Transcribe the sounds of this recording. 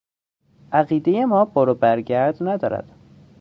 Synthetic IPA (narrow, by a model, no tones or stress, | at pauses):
ʔæɣiːd̪eje̞mɒːboɾobæɾɟæɾd̪næd̪ɒːɾæ̰d̪̥